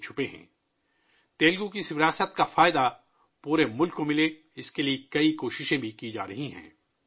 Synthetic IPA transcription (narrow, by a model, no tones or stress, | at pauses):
t͡ʃʰʊpeɦɛ̰̃ː | t̪eːlɡũkiɪsʋɪɾaːsət̪kafaːɪd̪a | puːɾemʊlkːomɪle | ɪskeliekɐikoːʃɪʃẽbʱikid͡ʒa̰ːɾɐɦĩɦɛ̰̃ː